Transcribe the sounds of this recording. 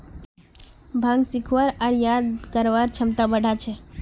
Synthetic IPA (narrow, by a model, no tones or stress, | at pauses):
bʱãŋɡsikʰʋaɾaɾjad̪kəɾʋaɾt͡ʃʰəmt̪abəɖʱat͡ʃʰe